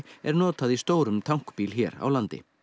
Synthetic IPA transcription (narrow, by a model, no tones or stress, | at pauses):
ɛɾnɔːt̪aðist̪oːwɾʏmt̪ʰawŋ̥kpiːlçɛːɾa̰wlant̪ɪ̰